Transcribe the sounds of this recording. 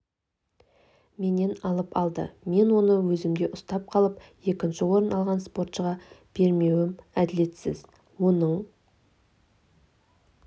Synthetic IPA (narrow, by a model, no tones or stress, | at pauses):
me̞ne̞nɑlˠəpɑlˠd̪ə̰me̞nwo̞nəwɵzɪmd̪ʲe̞ʔʊst̪ɑp̚qʰɑlˠəp̚je̞kʲɪnʃɪwo̞ɾənɑlˠʁɑnspo̞rt̪ʃəʁɑb̥e̞ɾme̞wɪmæd̪ɪle̞t̪sɪ̰z | wo̞nəɴ